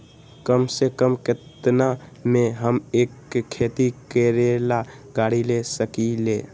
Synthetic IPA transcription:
kəmsekəmket̪na | meɦəmeːkkʰːet̪ikeɾela | ɡaɽilesəkile

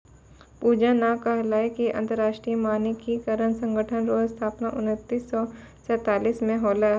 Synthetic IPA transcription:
puːd͡ʒanakɐɦlaːekiʔɐ̰̃nt̪əɾaːʃʈɾijəmaːnikikɐɾənsɐ̃ŋɡəʈʰənɾoːst̪ʰaːpnaʔʊnət̪ːiːsːɔ | sɛːt̪aːliːsmẽɦɔːlə

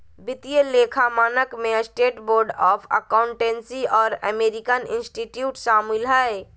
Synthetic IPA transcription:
bit̪ijəlekʰamaːnəkmesʈeʈboɾɖɔpʰə̰kaʊɳʈensiɔːɾə̰meɾikənḭnsʈiʈjuʈsamilɦɛe

